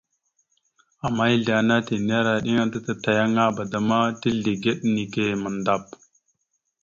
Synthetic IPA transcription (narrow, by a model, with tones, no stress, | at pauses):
a˨mːa˦i˦ɮa˨na˦ti˨n˦a˦ɾa˨ɗi˦ŋa˦ta˦ta˨ta˨ja˦ŋa˦ba˨da˨ma˦ti˦ɮi˨ɡe˦ɗni˨ke˨mə˨nda˦˨p̚